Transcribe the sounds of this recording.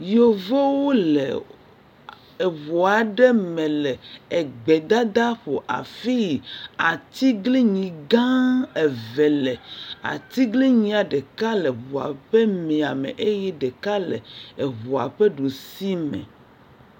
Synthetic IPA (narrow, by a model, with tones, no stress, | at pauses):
jo˦vo˦wo˦lḛ˨ | e˨βo˨a˨ɖɛ˦mɛ̃˨lɛ˨e˨ɡ͡be˨d̪a˦d̪a˦ɸo˨ʔa̰˨fi˦ji˨a˨t̪i˦ɡli˦ɲĩ˨ɡã˦e˨vɛ˨le˨a̰˨t̪i˦ɡli˦ɲĩ˨a˨ɖe˨ka˦le˨βo˨a̰˨ɸɛ˦mẽ˨a˨mḛ̃˨ʔe˦jɛ˦ɖe˨ka˦lḛ˨e˨βo˨a̰˨ɸɛ˦ɖo˨si˦mɛ̰̃˨